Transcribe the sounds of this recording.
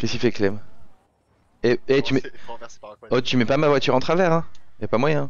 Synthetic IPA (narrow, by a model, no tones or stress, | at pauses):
kʲɛskʲifɛklɛm | eet̪ymɛ | ɔt̪ymɛpamavwat̪yʁɑ̃t̪χavɛʁɛ̃japamwajɛ̃